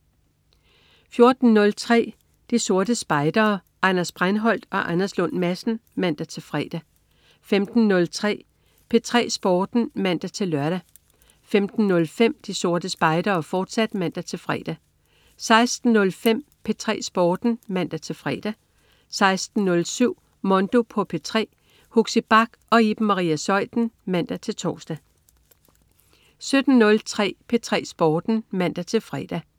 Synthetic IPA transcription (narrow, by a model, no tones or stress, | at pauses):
fjo̝ɐd̥n̩nːɔ̽lt͡sʰʁɛ̰ː | d̥iso̝ɐd̥əsb̥ɑ̈ɪd̥ɐː | ʔɑ̈nɐsb̥ʁanɦɒ̽l̰d̥ɒ̽ʔænɐslɔ̽nmæsn̩mæn̰d̥æt͡sʰe̝lfʁɛ̰ːd̥æ | femd̥n̩ːɔ̽lt͡sʰʁɛ̰ː | pʰe̝t͡sʰʁɛ̰ːsb̥ɒːd̥n̩mæn̰d̥æt͡sʰe̝lːɶɐɾ̥æ | femd̥n̩nɔ̽lfem̰d̥iso̝ɐd̥əsb̥ɑ̈ɪd̥ɐːfɒːd̥sæd̥mæn̰d̥æt͡sʰe̝lfʁɛ̰ːd̥æ | sɑ̈ɪsd̥n̩ːɔ̽lfem̰pʰe̝t͡sʰʁɛ̰ːsb̥ɒːd̥n̩mæn̰d̥æt͡sʰe̝lfʁɛ̰ːd̥æ | sɑ̈ɪsd̥n̩ːɔ̽lsyʊ̰ | mɒ̽nd̥o̝pʰɒ̽pʰe̝t͡sʰʁɛ̰ː | hoɡ̥sib̥ɑ̈ɡ̥ɒ̽ib̥mɑ̈ʁḭːæsɒ̽ɪ̰d̥n̩mæn̰d̥æt͡sʰe̝lt͡sʰɒ̰ːsd̥æ | sød̥n̩ːɔ̽lt͡sʰʁɛ̰ːpʰe̝t͡sʰʁɛ̰ːsb̥ɒːd̥n̩mæn̰d̥æt͡sʰe̝lfʁɛ̰d̥æ